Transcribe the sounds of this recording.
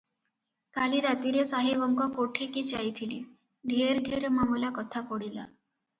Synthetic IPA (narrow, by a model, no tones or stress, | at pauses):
kaliɾat̪iɾesaɦeʋɔŋkɔkoʈʰekit͡ʃajt̪ʰilḭ | ɖʱeɾɡʱeɾmamulakɔt̪ʰapɔɽila̰